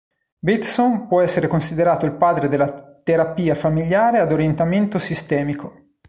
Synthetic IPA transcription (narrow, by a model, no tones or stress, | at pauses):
bit̪sonpwɔɛsːeɾekonsid̪eɾaːt̪oilpaːd̪ɾed̪elːat̪eɾapiːafamiljaːɾead̪oɾjent̪ament̪osist̪ɛːmikʰo